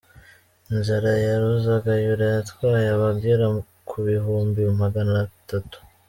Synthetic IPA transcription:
nzaɾajaɾuzaɡajuɾajatwaːjaβaɡɡiɾa | kʰuβiɦuːmbimaɡanatatu̥

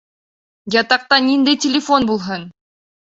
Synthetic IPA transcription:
jɑt̪ɑq̚t̪ɑnʲind̪ejtʲɪlʲɪfonbulˠɦɤn

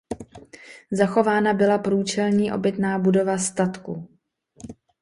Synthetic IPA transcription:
zaxo̞vaːnabɪlapɾuːt͡ʃɛlɲiːʔo̞̰bɪt̪naːbudo̞vast̪at̪ku

